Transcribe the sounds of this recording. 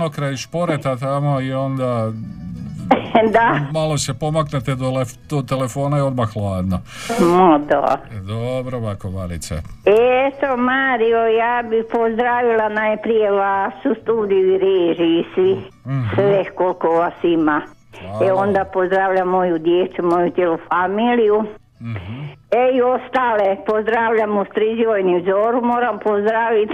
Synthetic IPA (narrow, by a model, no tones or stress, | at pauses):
nokɾeːniʃpo̞ɾet̪at̪amoio̞nd̪a | d̪amalosepo̞maknet̪ed̪oled̪̥ot̪elefo̞ːnaeo̞d̪maxlˠaːd̪no | mod̪o̰d̪obɾoʋakobaɾḭt͡s̪ḛeet̪omaɾiojaːbipozd̪ɾaːʋilanajepɾijeʋasust̪uːd̪ijuiɾeʒisi | sʋehkolkoʋasima | eond̪apozd̪ɾaːʋʎamːojud̪jet̪sumojut̪jelufamiːliju | eiost̪aːlepozd̪ɾaːʋʎamust̪ɾid͡ʒiʋojniuzoːɾumoːɾampozd̪ɾaːʋit̪